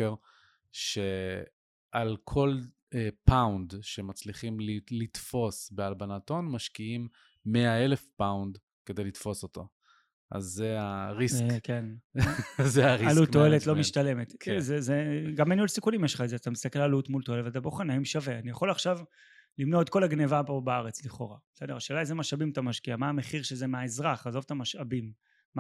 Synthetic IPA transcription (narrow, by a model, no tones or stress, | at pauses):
eʁ | ʃe | ʔalkʰo̞l | epawndʃemat͡sliχimlilit̪fo̞sbealbanato̞nmaʃkiimː | eaelefpawnd | ked̪ejlit̪fo̞so̞t̪o̞̰ | ʔa̰zːeaʁiskken | zeaʁiallutːo̞eletlo̞miʃt̪ale̞met̪zezeɡameniulsikunimjeʃχaezeat̪amist̪ake̞lalutmulto̞eletvat̪aboχanaimʃave̞anijaχo̞laχʃav | limno̞et̪̚ko̞laɡne̞vabobaaʁet͡sliχo̞̰ʁasedeʁʃeːlajzemaʃabimt̪amaʃkiamaːme̞χiʁʃezemeaezʁaχazo̞vt̪amaʃabimː